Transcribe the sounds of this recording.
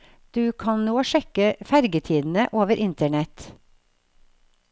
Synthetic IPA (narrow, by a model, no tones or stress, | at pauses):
d̪̥ʉːkʰɑnnoːʃɛkəfæɾɡət̪ʰiːd̪n̩əʔoːʋəɾʔɪnt̪əɳɛt̪